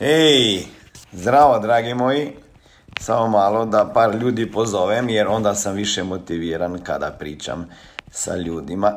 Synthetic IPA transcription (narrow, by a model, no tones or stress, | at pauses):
ej | zd̪ɾaːʋod̪ɾaːɡimoːji | samomaːlod̪apaːɾʎʲuːd̪ipozoːʋɛmjɛɾond̪asamʋiʃɛmot̪iʋiːɾanka̰d̪a̰pɾiːt͡ʃa̰msa̰ʎuːd̪ima